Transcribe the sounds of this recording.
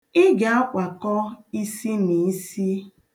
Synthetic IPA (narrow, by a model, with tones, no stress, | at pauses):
ɪ˦ɡa˨a˦kʷa˨kɔ˦i˦si˦ni˨i˦si˦